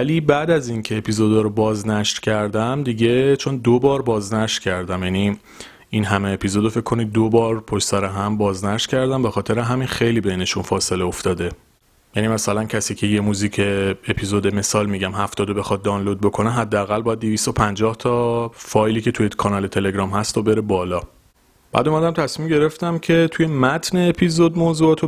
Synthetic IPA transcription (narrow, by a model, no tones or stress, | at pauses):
væliːbæːd̪æzincʰe̞ːpʰizo̞d̪ɒɾobɒːznæʃɾcʰæɾd̪æmd̪iɟe̞t͡ʃʰo̞nd̪obɒːɾbɒːznæʃt̪cʰæɾd̪æmjæni | inɦæmeːpʰizo̞d̪ofe̞ckʰːo̞nid̪̚d̪obɒːɾpʰo̞ʃsæɾeɦæmbɒːznæʃt̪cʰæɾd̪æmbe̞xɒːt̪ʰe̞ɾeɦæminxe̞jliːbeine̞ʃunfɒːse̞leoft̪ɒːd̪e | jænimæsælæncʰæsiːcʰe̞jemuziːcʰeːpʰizod̪eme̞sɒːlmiɟæmɦæft̪ɒːd̪obe̞xɒːd̪̚d̪ːɒːnlo̞d̪̚bo̞kʰo̞neɦæd̪ːeæɣælbɒːjæd̪d̪ivist̪o̞pʰænd͡ʒɒːht̪ʰɒfɒːjliːcʰe̞t̪ʰujekʰɒnɒːle̞t̪ʰe̞leɡɾɒːmhæst̪ʰobe̞ɾebɒːlɒː | b̥æ̰ːd̪omæd̪æmt̪ʰæsmimɟe̞ɾe̞ft̪æmcʰe̞t̪ʰuje̞mæt̪ʰneːpʰizod̪moːzuɒt̪ʰo